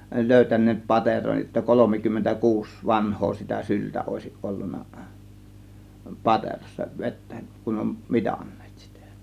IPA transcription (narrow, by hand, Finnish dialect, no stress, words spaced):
løˑytænˑeːt pɑteroj jotːɑ kolomikymːentæ kuːs ʋɑnhˑoː sitæ syltæ oˑe̝siʔ ʔolːunˑɑ pɑterosːɑ ʋetːæ̥ kun om mitɑ̥n̥ːe̥ːt si̥tæ̥